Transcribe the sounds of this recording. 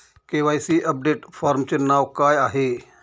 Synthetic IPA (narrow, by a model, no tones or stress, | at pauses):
keːʋaːjsiːʔəp̚ɖeːʈpʰaːɾmt͡ʃnaːwkaːjaːɦeː